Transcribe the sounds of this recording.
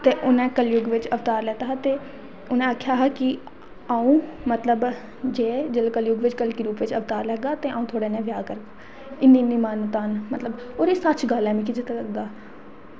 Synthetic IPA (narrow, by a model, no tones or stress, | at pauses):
t̪eːʔʊnẽːkəljʊɡʋɪt͡ʃəʋt̪aːɾlɛːt̪aːɦt̪eː | ʊnẽːəkʰːjaːɦɛkɪ | aːũːmət̪ləb | d͡ʒeːd͡ʒəlkəljʊɡʋɪt͡ʃkəlkiːɾuːpʋɪt͡ʃəʋt̪aːɾlɛːɡaːt̪ẽːãːũːt̪ʰoːɽeːnɛ̃ːʋjaːkəɾk | ɪnːĩːnːiːmaːnd̪aːnmət̪ləb | oːɾiːsət͡ʃɡəlɛ̃ːmĩːkɪd͡ʒɪt̪aləɡ̚d̪aː